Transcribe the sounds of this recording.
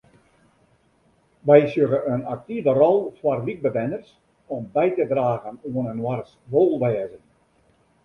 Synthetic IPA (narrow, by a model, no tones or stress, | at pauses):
ʋɛjsjøɣəənak̚tivərɔlˠfwarʋik̚bəʋɛnərs | ɔmbɛjtədraːɣənuənənwars | ʋoːlˠʋɛːzən